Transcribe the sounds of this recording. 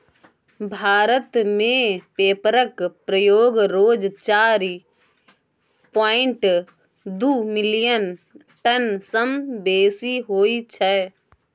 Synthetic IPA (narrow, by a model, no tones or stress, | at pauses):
bʱaːɾət̪mẽpeːpɾəkpɾəjoːɡɾoːd͡ʒt͡ʃaːɾi | poːɪ̃ɳʈ | d̪uːmɪlijən | ʈənsəmbeːsiɦoːit͡ʃʰɛ